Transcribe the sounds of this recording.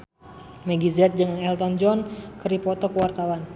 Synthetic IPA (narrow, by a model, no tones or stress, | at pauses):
mɛɡizɛt̪̚d͡ʒɨŋɛlt̪ɔnd͡ʒɔnkəɾipɔt̪ɔkəwart̪awan